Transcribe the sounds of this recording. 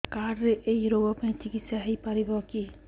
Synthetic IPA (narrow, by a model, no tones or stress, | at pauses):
kaɾeʔejɾoɡɔpẽt͡ʃikit̪saɦejpaɾibɔki